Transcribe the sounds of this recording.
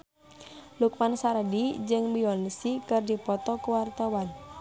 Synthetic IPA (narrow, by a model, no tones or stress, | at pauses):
luk̚mansaɾədid͡ʒɨŋbiɔnisikɨrdipɔt̪ɔkuwart̪awan